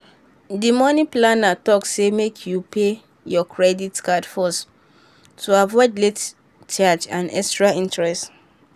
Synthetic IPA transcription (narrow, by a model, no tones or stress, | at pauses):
dimɔniplanatɔksemekʰjupʰe | jɔkʰɹɛditkadfɔs | tʰuavɔɪd͡ʒlet | t͡ʃad͡ʒãnɛkstɹaĩntɹɛst